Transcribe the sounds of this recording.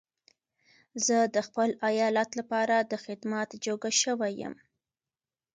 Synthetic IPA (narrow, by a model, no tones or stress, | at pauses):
zəd̪əxpəlajɑlat̪lapɑɾad̪əxɪd̪mat̪d͡ʒoɡaʃəwajə̰m